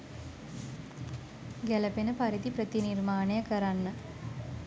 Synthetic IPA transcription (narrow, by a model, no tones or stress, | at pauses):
ɡæləpenəpaɾit̪ipɾət̪inirmaːnejəkəɾanːə